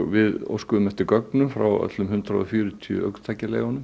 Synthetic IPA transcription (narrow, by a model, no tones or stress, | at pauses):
vɪðo̰wskʏðʏmɛht̪ʏkœknʏmfɾa̰wœ̰t̪lʏmhʏnt̪ɾaɔfjyːɾʏt̪ʰiʏ̰ʔœ̰kt̪ʰaːjcalḛːɣɔnʏm